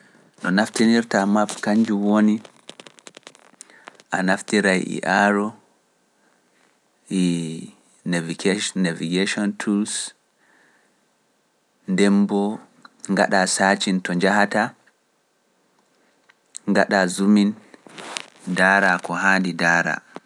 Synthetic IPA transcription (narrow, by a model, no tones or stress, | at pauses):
ɗɔnaftiniɾtamapkaɲd͡ʒuwoni | ʔanaftiɾajʔḭʔaɾɔ | ʔi | navikenaviɡeʃɔntʰus | ndɛmbɔ | ŋɡa̰ɗasaːt͡ʃintɔɲd͡ʒahata | ŋɡaɗazumin | daːɾakɔhaːndidaːɾa̰